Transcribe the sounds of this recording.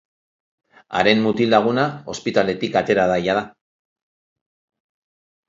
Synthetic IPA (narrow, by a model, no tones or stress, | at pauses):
a̰ɾe̞mmut̪ilaɣ̞unao̞spit̪ale̞t̪ikat̪e̞ɾaðaʎað̞a